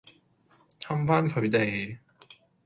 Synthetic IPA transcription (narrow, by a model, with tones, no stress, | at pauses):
t̪ʰɐ˧˥mfaː˥nkʰɵ˨˧ɥt̪e˨j